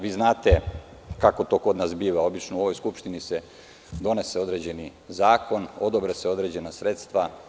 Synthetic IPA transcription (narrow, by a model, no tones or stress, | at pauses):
ʋiːznaːt̪e̞ | kako̞t̪o̞ko̞d̪naːsbiːʋao̞bit͡ʃnoo̞ʋo̞jskupʃt̪inise | d̪o̞ne̞seo̞d̪ɾe̞ːd͡ʑe̞ni | zaːkʰo̞no̞d̪obɾeseo̞d̪ɾe̞ːd͡ʑe̞nasɾe̞t̪st̪ʋa